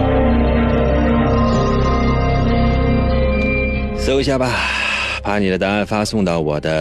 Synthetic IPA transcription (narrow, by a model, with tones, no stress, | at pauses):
so˥ʊɕja˥˩ba˧˩ | pʰa˧˥ni˨˩d̪ə˦t̪a˥a˥˩nfa˥sʊ˥˧ŋt̪ɑ˥˩ʊwɔ̰˨˩d̪ə˦